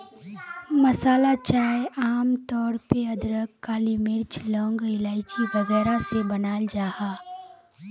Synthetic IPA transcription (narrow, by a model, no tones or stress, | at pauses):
mɐsaːlat͡ʃaːeaːmt̪ɔːɾpeɐd̪ɾəkːaːlimɪɾt͡ʃlɔ̃ːŋɡɪlaːɪt͡ʃiʋɐɣɛːɾasebɐnaːld͡ʒaːhaː